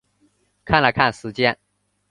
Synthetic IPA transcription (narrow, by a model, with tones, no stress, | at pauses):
kʰa˥˩nlə˨ɪkʰa˥˩nʂɻ̩˧˥t͡ɕjɛ˥˧n